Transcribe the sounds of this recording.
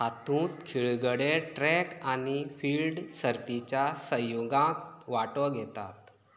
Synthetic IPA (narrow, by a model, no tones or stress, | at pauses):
hat̪ũːt̪kʰiɭɡəɽeʈɾɛkanifiːlɖsəɾt̪it͡ɕjasəjoɡãkʋaʈɔɡʱɛt̪a̰t̪